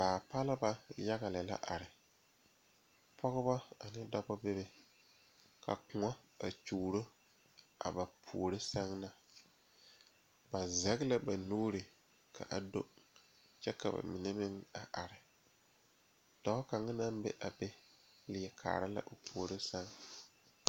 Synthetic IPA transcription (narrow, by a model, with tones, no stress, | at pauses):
baː˨pa˦lɪ˦ba˦ja˦ɣa˨lɪ˨la̰˦ʔa˨ɾɪ˨ | pʰɔ˦ɣɪ˦ba˦a˨nɪ˦da˦bɔ˦be˦be˦ | ka̰˨kʊ˨ŋɔ˦ | a˨t͡ʃuː˨ɾo˦ | a̰˨ba˨pʰuː˨ɾe˦sa˦ŋna˨ | ba˨za˦ɣɪ˦la˦ba˨nuː˦ɾɪ˨ | kʰa̰˨ʔa˨do˦ | t͡ʃɛ˦ka˨ba̰˨mɪ˨ne˦mɪ˦ŋa˨ʔa˨ɾɪ˨ | d̥ɔ˨˦ka˨ŋa˦na˦m˦bɛ̰˦ʔa˨be˦ | lɪ˨ɛ˨kʰa̰ː˨ɾa˦la̰˦ʔo˨pʰu˨o˨ɾe˦sa˦ŋ